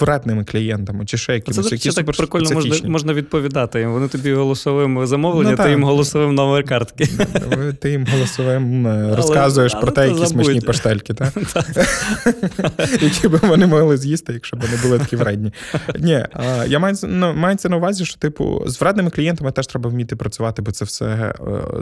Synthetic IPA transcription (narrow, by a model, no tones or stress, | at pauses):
ʋɾɛd̪nɪmɪklʲijɛnt̪ɐmɪt͡ʃɪʃt͡ʃɛjɐkʲijɐkʲit̪akpɾɪkɔlʲnɔɐmɔʒimɔʒnɐʋʲid̪̚pɔʋʲid̪ɑt̪ɪjimʋɔnɪt̪ɔbʲiɦɔlˠɔsɔʋɪmzɐmɔʋnlˠenʲiɪjimɦɔlˠɔsɔʋɪmnɔmɛrkɑrt̪kɪt̪ɪjimɦɔlˠɔsɔʋɪmɾɔskɑzʊjeʃpɾɔt̪ɛjɐzʲismɔt͡ʃnipɐʃt̪ɛlʲkɪt̪ɑt̪ | jɐkʲibɪʋɔnɪmɔɦlˠɪzʲjist̪ɪjɐkʃt͡ʃɔbʋɔnɪbʊlˠɪt̪kʲiʋɾɛd̪ʲnʲinʲijamɑjt͡sʲnmɑjet͡sʲːɐnɐʊʋɑzʲiʃt͡ʃɔ̥t̪ɪpʊ̰zʋɾɛd̪nɪmɪklʲijɛnt̪ɐmɪt̪ɛʃt̪ɾɛbɐwmʲit̪ːɪpɾɐt͡sʲʊʋɑt̪ɪbɔt̪sɛfsɛ̰